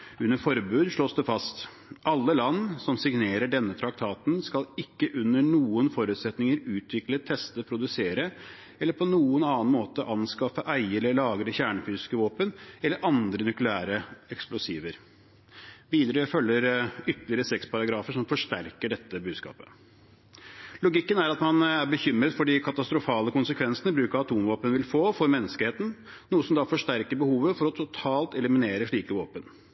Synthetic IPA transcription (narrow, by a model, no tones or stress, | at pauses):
ʉnːəfɔɾbʉːd̪ʂɭoːsd̪ɛfɑst̪ | ʔɑlːəlɑnːsɔmsɪɡneːɾəɖɛnːət̪ʰɾɑk̚t̪ʰɑːt̪nskɑlɪkːəʔʉnːəɳuːənfɔɾʉːt̪sɛt̪nɪŋəɾʉːt̪ʰʋɪklət̪ʰɛst̪əpʰɾʊd̪ʉseːɾə | ɛlːəɾpʰɔnuːənɑːɑnmoːt̪əʔɑnskɑfəʔæɪɛləɭɑːɡɾəçæːɳəfyːsɪskəʋoːpənɛlːəɾʔɑnd̪ɾənʉklɪæːɾəɛksplʊsiːʋəɾ | ʋiːd̪əɾəfœlːəɾʏt̪əlɪəɾəsɛkspʰɑɾɑɡɾɑːfəʂɔmfɔʂʈæɾkəɖɛt̪ːəbʉːd̪skɑ̰ːpə̥ | lʊɡɪkːənæɾɑt̪mɑnæɾbəçʏmɾət̪fɔɖɪkʰɑt̪ɑst̪ɾʊfɑːləkʊnsəkʰʋɛnsənəbɾʉːkɑɑt̪ʰuːmʋoːpənəʋɪlfoːfɔɾmɛnːəskəheːt̪n̩ | nuːəsɔmd̪ɑfɔʂʈ̪æɾkəbəhuːʋəfɔɾɔt̪ʰʊt̪ʰɑːlt̪ɛləmɪneːɾəʂɭiːkəʋoːpən